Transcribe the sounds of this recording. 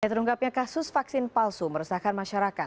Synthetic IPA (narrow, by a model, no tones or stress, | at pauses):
jat̪əɾuŋkap̚ɲakasʊsfaksɪnpalsuməɾəsahkanmaʃaɾakat̪̚